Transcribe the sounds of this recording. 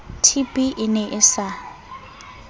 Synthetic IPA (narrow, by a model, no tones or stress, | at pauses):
tʰipʼiʔɪnɛʔɪsa